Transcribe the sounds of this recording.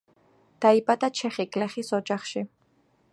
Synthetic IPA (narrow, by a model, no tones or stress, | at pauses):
d̪̥aibʼad̪at͡ʃʰɛχiɡʼlɛχisɔd͡ʒaχʃi